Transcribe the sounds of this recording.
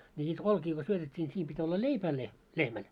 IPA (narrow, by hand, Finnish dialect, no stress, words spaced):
nʲi niːt olkiː ko syøtetʲːiː nʲi siːm pitʲ olːɑ leipæː le lehmæl